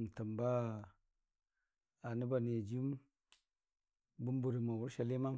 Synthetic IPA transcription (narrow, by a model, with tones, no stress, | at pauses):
m˨ta˨mba˦ | a˨ni˦ba˨ne˨d͡ʒi˦m | bu˦m˦bu˨ɾi˨ma˨wu˦ɾʃa˨li˦ma˦